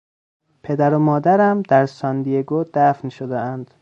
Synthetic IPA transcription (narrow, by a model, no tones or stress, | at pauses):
pʰe̞d̪æɾomɒːd̪æɾæmd̪æɾsɒnd̪ijeɡod̪̥æfnʃod̪eænd̪̥